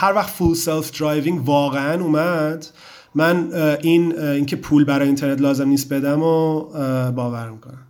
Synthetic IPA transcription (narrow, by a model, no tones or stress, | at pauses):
hæɾvæxt̪fulselfd̪ɾɒjviŋɟvɒːɣeænuːmæd̪̥ | mænʔiniːŋcʰepʰuːlbæɾɒːjeint̪ʰe̞ɾnet̪̬lɒːze̞mnist̪be̞d̪æmo | bɒːvæɾmikʰonæm